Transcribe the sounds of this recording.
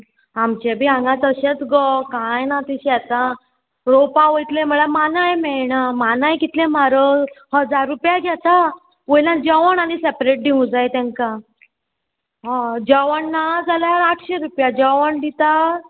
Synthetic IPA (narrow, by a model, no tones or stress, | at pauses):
amt͡ɕebʱiãŋɡãt͡səɕet͡sɡɔkajnat̪iɕat̪a | ɾopaʋəjt̪lẽm̤əɭamanajmɛɭɳamanajkit̪lẽmaɾəhəd͡zaɾːupjaɡʱjat̪a | ʋəjlãd͡ʑəʋəɳanisepɾeʈ̚d̪iũd͡zajt̪ɛ̃ŋka | ɦãd͡ʑəʋəɳːad͡zalaɾaʈʰɕeɾupjad͡ʑəʋəɳd̪it̪a